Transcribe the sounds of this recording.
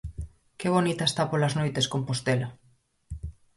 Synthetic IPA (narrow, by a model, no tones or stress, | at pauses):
keβ̞onit̪aest̪apolaznojt̪eskompost̪ela